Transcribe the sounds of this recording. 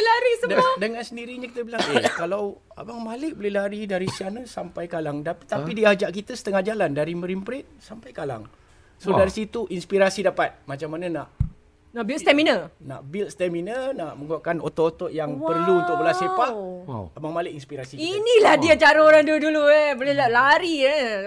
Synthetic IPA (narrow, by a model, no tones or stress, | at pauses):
laɾisədədəŋansəndiɾiɲakit̪əbilajəkalaw | a̰baŋmalɪk̚bəlɪhlaɾidaɾisianəsampajkalaŋdat̪apidiad͡ʒaʔkit̪əsə̥t̪əŋahd͡ʒalandaɾiməɾimpɾɛt̪̚sampajkala̰ŋ | sodaɾisit̪uʔinspiɾasidapat̪̚mat͡ʃamːananaʔ | naʔbilst̪ɛminəna̰ʔbilt̪̚st̪ɛminənaʔməŋɡuakanot̪ɔʔot̪ɔʔjaŋpərluunt̪ʊk̚bəlasepalabaŋmalɪʔinspiɾasikinilahdiat͡ʃaɾaoɾaŋduduluebolɪlalaɾi